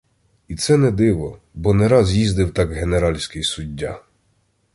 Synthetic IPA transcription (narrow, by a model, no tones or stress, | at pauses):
it̪sɛnɛd̪ɪʋɔ | bɔnɛɾɑzjizd̪ɪwt̪ɑɡɦeneɾɑlʲsʲkɪjsʊdʲːa